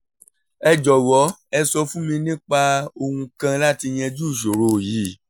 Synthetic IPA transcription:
ɛ˧d͡ʒɔ˨wɔ˨˦ɛ˧sɔ˧fũ˦mĩ˧nĩ˦k͡pa˧o˧ũ˧kã˧la˦ti˧j̃ɛ̃˧d͡ʒu˦˨ʃ̬o˨ɾo˨ji˨˦

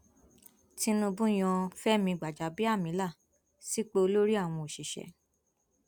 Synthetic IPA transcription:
ti˧nũ˧bũ˦j̃ɔ̃˧fɛ˦mĩ˧ɡ͡ba˨d͡ʒa˨˦bi˦a˦˨mĩ˨˦la˦˨ | si˨˦k͡pe˧o˧lo˦ɾi˦a˦˨w̃ɔ̃˧o˨ʃi˨ʃɛ̰˨˦

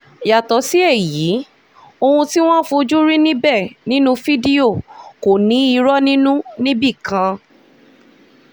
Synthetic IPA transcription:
ja˨tɔ˨˦si˦e˦˨ji˨˦ | o˧hũ˧ti˦w̃ɔ̃˦fu˧d͡ʒu˦ɾi˦nĩ˦bɛ˦˨nĩ˦nũ˦fi˦di˦o˦˨ko˨nĩ˨˦i˧ɾɔ˦nĩ˦nũ˦nĩ˦bi˦˨kã˧

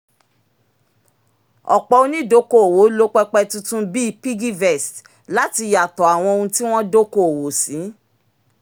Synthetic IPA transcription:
ɔ̰˨k͡pɔ˨o˧nĩ˦˨do˨˦ko˦o˨wo˨˦lo˦k͡pɛ˦k͡pɛ˧tũ˦tũ˦bi˦i˧pi˦ɡi˦vɛ˦˨st | la˦ti˧ja˨tɔ˨a˨w̃ɔ̃˧o˧ũ˧ti˦w̃ɔ̃˦do˦ko˦˨o˨wo˨sĩ˨˦

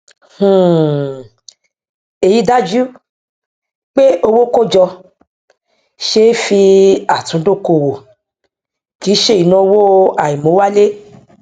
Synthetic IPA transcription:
h̩˨ | e˨ji˨˧˦da˦d͡ʒu˦ | k͡pe˦ʔo˧wo˦ko˦d͡ʒɔ˧ | ʃe˦fi˧a˨tũ˨˦do˦˨ko˧˨wo˨ | ki˨˦ʃe˦˨i˨˦nã˧wo˦a˨i˨mõ˨˦wa˦le˦

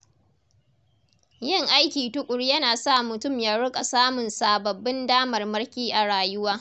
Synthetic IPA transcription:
jɪ˦ŋʔa˦jkʲiː˨tʊ˦kʷʼʊ˨rjɐ˦naː˨sa˦˨mʊ˨tʊ˦˨mjaː˦ɽʊ˦kʼa˨saː˦mʊ˨nsaː˨bɐ˨bːɪ˦ndaː˦mɐ˨rmɐ˦rkʲiː˦ʔa˨ɽaː˨jʊ˦waː˦

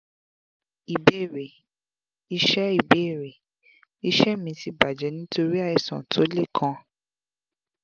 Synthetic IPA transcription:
i˨be˦˨ɾe˨ | i˧ʃɛ˦i˦˨be˦˨ɾe˨ | i˧˦ʃɛ˦mĩ˧˦ti˧ba˨d͡ʒɛ˨˦nĩ˦to˧ɾi˦a˦˨ɛ˧˨sɔ̰̃˨tʰo˨˦le˦˨kʰã˧˦

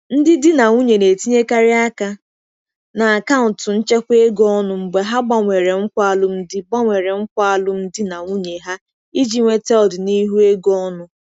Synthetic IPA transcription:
n̩˦dɪ˦dɪ˦na˨ŋʷu˦ɲe˨ne˨ti˦ɲe˦ka˦ɾɪ˦a˦ka˦ | na˨a˨ka˦ʊ˨tʊ˨n̩˦t͡ʃe˦kʷe˦ɡɔ˦nʊ˨ŋ͡m̩˨ɡ͡be˨ɦa˦ɡ͡ba˨ŋʷe˨ɾe˨ŋ̩˦kʷa˦lʊ˦m̩˦dɪ˦ɡ͡ba˦ŋʷe˨ɾe˨ŋ͡m̩˦kʷa˦a˦lʊ˦m̩˦dɪ˦na˨ŋʷu˦ɲe˨ɦa˦ | i˦d͡ʒi˦ŋʷe˦te˦ɔ˨dɪ˨ni˦ɦu˦e˦ɡɔ˦nʊ˦

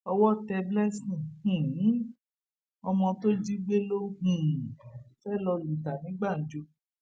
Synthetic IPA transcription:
ɔ˧wɔ˦tɛ˧blɛ˦sĩ˨hũ˨˦ | ɔ˧mɔ̃˧to˦d͡ʒi˦ɡ͡be˦lo˦hũ˨fɛ˦˨lɔ˧lu˨ta˨nĩ˨˦ɡ͡ba˦˨n̩˨˦d͡ʒo˧

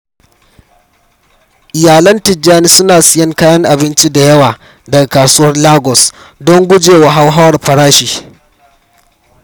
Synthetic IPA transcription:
ʔɪ˨jaː˨lɐ˦ntɪ˨d͡ʒaː˦ni˦sʊ˦naː˨sɪ˦jɐ˦ŋkaː˦jɐ˦ŋʔa˨bɪ˦nt͡ʃi˦da˨jɐ˦waː˨ | dɐ˨ɡa˨kaː˨sʊ˦wɐ˦rlaː˦ɡɔ˨s | dɔ˦ŋɡʷʊ˦d͡ʒeː˨wa˨ɦa˦wɦa˦wɐ˨rɸɐ˨ɽaː˦ʃiː˨

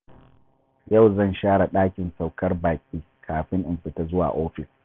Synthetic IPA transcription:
jɐ˦˨wzɐ˦˨nʃaː˦ɽa˨ɗaː˦kʲɪ˨nsa˨wkɐ˦rbaː˨kʲʼiː˦ | kʰaː˨ɸɪ˦ŋʔɪ˨mɸɪ˨ta˦zʊ˦wa̰ː˨ʔoː˦ɸɪ˨s

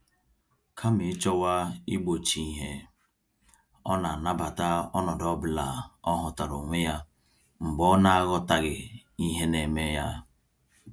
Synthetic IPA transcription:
kʰa˦mi˨˦t͡ʃɔ˦wa˦i˦ɡ͡bo˨t͡ʃi˦ɦe˦ | ɔ˦na˨na˦ba˨ta˦ɔ˦nɔ˨dɔ˦bla̰˨ɔ˦ɦʊ˨ta˨ɾo˨ŋʷe˦ja˦ | ŋ͡m̩˨ɡ͡bɔ˦na˦ɣɔ˦ta˦ɣɪ˨ | i˦ɦe˦ne˨me˦ja˦

